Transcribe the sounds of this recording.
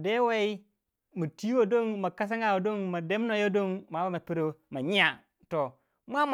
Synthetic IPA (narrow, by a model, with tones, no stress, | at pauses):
de˦we˦i˦ | mu˨ti˦wo˨do˦ŋma˨ka˦s̬a˦ŋa˨wo˨do˦ŋma˨de˦m˦no˨jo˦do˦ŋma˨˦ba˦ma˨pi˦ɾo˦ma˨ɲi˦ja˨ | to˨ | mʷ˦a˦m